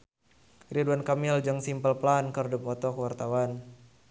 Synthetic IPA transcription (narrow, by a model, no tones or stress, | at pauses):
riduankamild͡ʒaŋsimpəlplankərdupɔt̪ɔkəwart̪awan